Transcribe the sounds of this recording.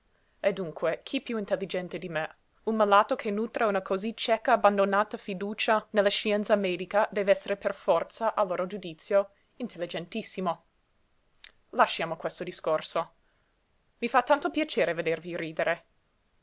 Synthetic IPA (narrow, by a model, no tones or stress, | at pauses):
ed̪ːuŋkʰwekʰipjuint̪elːid͡ʒɛnt̪ed̪ime | unmalaːt̪okʰenuːt̪ɾaunakʰozit͡ʃɛkaːband̪onaːt̪afid̪uːt͡ʃanelːaʃiɛnt̪samɛːd̪ikad̪ɛːveɛsːeɾeperfɔrt̪saʔalːoːɾod͡ʒud̪it̪sjo | int̪elːid͡ʒɛnt̪isːimo | laʃːjaːmokwɛst̪od̪iskorso | vifat̪ːant̪opjat͡ʃeːɾeved̪erviɾiːd̪eɾe